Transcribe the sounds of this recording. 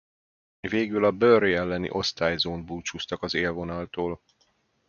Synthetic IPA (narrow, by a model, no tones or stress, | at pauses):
veːɡylɒbøriɛlːɛnḭʔo̞st̪aːjzoːnd̪buːt͡ʃust̪ɒkɒzeːlvo̞nɒlt̪oːl